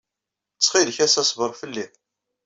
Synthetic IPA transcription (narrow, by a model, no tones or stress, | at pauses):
t͡sːχilçæsæsvəɾˤfəlːi